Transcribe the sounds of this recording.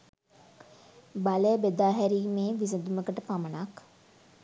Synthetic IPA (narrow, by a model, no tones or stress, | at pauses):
baləjəbed̪aːɦæɾiːmeːʋis̬əd̪uməkəʈəpamənak